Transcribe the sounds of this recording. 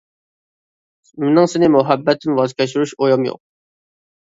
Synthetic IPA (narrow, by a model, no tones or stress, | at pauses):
menɨŋsɪnɪmuɦɛbːɛt̪ʰːɪnwɑzkʲʰɛʃuɾuʃojɑmjo̰q̚